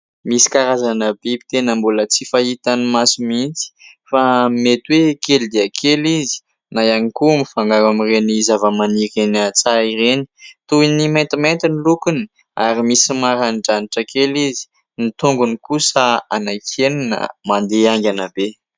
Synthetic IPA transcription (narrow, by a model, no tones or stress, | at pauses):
misi̥kaɾazanabepi̥t̪enəmbulət͡sifait̪animasimint͡si̥ | famet̪wekeld̪iakʰelizi̥ | najanikumifaŋɡaɾamirenizavəmaniɾenat͡saiɾeni̥t̪uinimajnt̪imajnt̪inilukuni̥ | aɾimisimaɾaniɖ͡ʐaniʈ͡ʂəkelizi̥ | nit̪uŋɡunikusəanajkʰeninə̰mand̪eaŋɡʲanabe